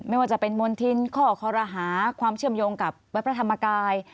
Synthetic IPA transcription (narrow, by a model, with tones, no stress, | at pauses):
ma˥˩jwaː˥˩t͡ɕa˨˩pe˧nmo˧nt̪ʰi˧nkʰɔː˥˩kʰɔː˧ɾaː˧ɦaː˩˦kʰwaː˧mt͡ɕʰɯ˥˩əmjoː˧ŋka˨˩p̚wa˦˥t̪̚p̚ʰɾa˧t̪ʰa˧mːa˧kaː˧j